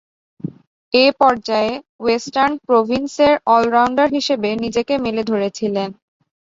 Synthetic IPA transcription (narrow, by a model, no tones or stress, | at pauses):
epɔɾd͡ʑae | wesʈaɾnpɾobʱinseɾɔlɾawɳɖaɾɦiʃebenid͡ʑekemeled̪ʱoɾet͡ɕʰilen